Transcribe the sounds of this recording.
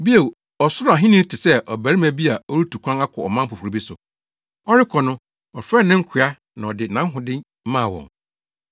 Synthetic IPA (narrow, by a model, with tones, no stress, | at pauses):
bi˦e˨w | ɔ˨sʊ˦ɾʊ˦a˨ɦɪ̃˦nɪ̃˦tʰɪ˨sɛ˦ʔɔ˨bæ˨ɾi˦mæ˨bi˦a˨ɔ˦ɾu˦tʰu˨kʷʰã˦ŋa˦kʰɔ˨ɔ˨mã˦m̩˦pʰʊ˨fu˨ɾi˨bi˦sʊ̰˨ | ɔ˦ɾɪ˦kʰɔ˨nʊ̃˦ | ɔ˨fɾɛ˦˨nɪ̃˦ŋ̩˦kʰɪ˨a˦ | nã˨ɔ˨dɪ˨nã˦ɦʊ̃˨dɪ̃˦ | mã˦˨wɔ̰̃˨ŋ